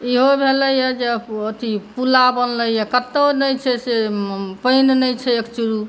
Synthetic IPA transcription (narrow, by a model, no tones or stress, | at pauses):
iɦobʱeləjəd͡ʒeət̪ipulabənləjakət̪ːənəjt͡ʃʰɛsepəɪnnəjt͡ʃʰɛekt͡ʃuɾu